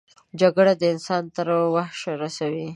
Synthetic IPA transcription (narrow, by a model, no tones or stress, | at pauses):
d͡ʒaɡɽad̪əɪnsɑnt̪əɾwahʃɾasawi